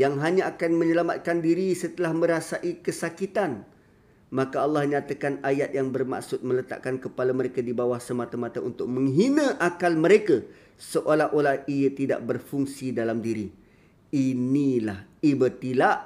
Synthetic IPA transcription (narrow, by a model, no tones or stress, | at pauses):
jaŋɦaɲãːkanməɲəlamat̪̚kandiɾisət̪əlahmə̃ɾasaʔikəsakit̪an | mãkaɑlˠːɑhɲat̪akanajat̪̚jaŋbərma̰ʔksʊt̪̚mə̃lət̪a̰ʔkankəpalaməɾekadibawahsəmat̪əmat̪əunt̪ʊk̚mə̃ŋɦinə̃ʔakalmə̃ɾekə | səʔolaɦʔolahijət̪ida̰ʔbərfuŋsidalamdiɾi | inilah | ibət̪ilaʔ